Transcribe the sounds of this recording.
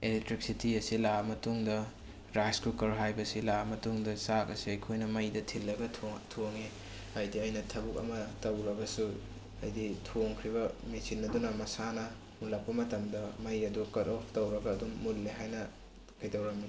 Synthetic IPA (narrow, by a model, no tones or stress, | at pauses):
elek̚tɾik̚sitiɐsilamɐtuŋdɐ | ɾaskukɐɾɦajbɐsilamɐtuŋdɐsakɐ̰siɐjkʰojnɐmɐjdɐtʰilːɐɡɐtʰtʰoŋe | ajdiɐjnɐtʰɐbuk̚ɐ̰mɐtɐwɾɐɡɐsu | ɐ̰jditʰoŋkʰɾiβɐmisinːɐdunɐmɐsanɐ | mulɐk̚pːɐmɐtɐmdɐmɐjɐdukɐtopʰtɐwɾɐɡɐːdumːulːeɦajnɐ | kɐjtɐwɾɐmi